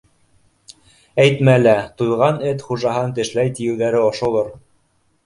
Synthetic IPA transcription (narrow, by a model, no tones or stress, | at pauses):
æjt̪mælæt̪ujʁɑnɘt̪χuʒɑɦɑnt̪ɘ̆ʃlæjt̪ijɘ̆wðæɾɘŏʃŏlˠoɾ